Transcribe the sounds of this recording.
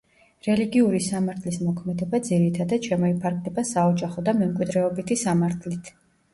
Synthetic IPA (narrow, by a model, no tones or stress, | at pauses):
ɾɛliɡiuɾisamaɾt̪ʰlismɔkʰmɛd̪ɛbad̪ziɾit̪ʰad̪ad̪̥ʃʰɛmɔipʰaɾɡlɛbasaɔd͡ʒaχɔd̪amɛmkʼwid̪ɾɛɔbit̪ʰisamaɾt̪ʰlit̪ʰ